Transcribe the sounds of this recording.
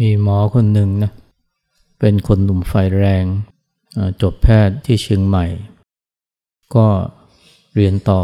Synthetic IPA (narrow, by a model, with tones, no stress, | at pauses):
miː˧mɔː˩˦kʰo˧nːɯ˨˧ŋna˦˥ | pe˧nkʰo˧nːu˨˩mfaː˧˩jɾɛː˧ŋ | ʔaː˧˩t͡ɕo˨˩p̪̚pʰɛː˥˩t̪ʰːiː˥˩t͡ɕʰɯ˧ŋma˨˩j | kɔː˥˩ | ɾi˧ənt̪ɔː˨˩